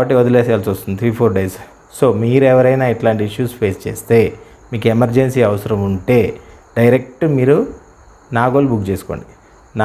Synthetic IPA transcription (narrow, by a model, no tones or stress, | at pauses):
bɐʈːiod̪uleːsɐlt͡ʃoːst̪und̪it̪ʰɾiːpʰoːɾɖejs | so̞ːmiːɾɛʋɐɾɐjnaːiʈlaːɳʈiiʂjuːspʰe̞ːst͡ʃe̞ːst̪e̞ː | miːkemɐɾd͡ʒensiːɐʋɐsɐɾɐmuɳʈe̞ː | ɖɐjɾek̚ʈumiːɾu | naːɡoːlubukt͡ʃeːsu̥ko̞̰ːɳɖi | na